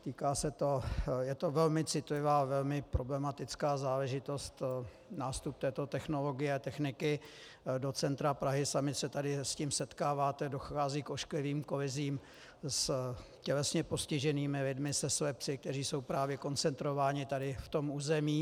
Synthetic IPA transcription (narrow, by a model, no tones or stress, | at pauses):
t̪iːkaːsɛt̪o̞jɛt̪o̞vɛlmɪt͡sɪt̪lɪvaːvɛlmɪpɾo̞blɛmat̪ɪt͡skaːzaːlɛʒɪt̪o̞st̪ | naːst̪up̚t̪ɛːt̪o̞t̪ɛxno̞lo̞ɡɪjɛat̪ɛxnɪkɪ | do̞t͡sɛnt̪ɾapɾaɦɪsamɪsɛt̪adɪsciːmsɛt̪kaːvaːt̪ɛdo̞xaːziːkoʃklɪviːmko̞lɪziːm | s | cɛlɛsɲɛpo̞scɪʒɛniːmɪlɪdmɪsɛsvɛpt͡sɪk̚t̪ɛriːso̞wpɾaːvjɛko̞nt͡sɛnt̪ɾo̞vaːɲɪt̪adɪft̪o̞muːzɛmiː